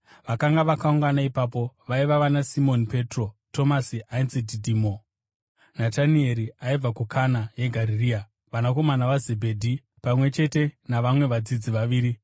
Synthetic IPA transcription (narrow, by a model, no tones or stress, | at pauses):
ʋakaŋɡaʋakauŋɡanaipaːpo̞ʋaiʋaʋanasimo̞nipe̞tro̞to̞masiʔainsididʱiːmo | natanie̞ɾiaib͡vakukʰanajeɡʱaɾiriːa | ʋanako̞manaʋaze̞bʱedʱi | pamwe̞t͡ʃe̞te̞naʋamwe̞ʋad͡zid͡ziʋaʋiːɾi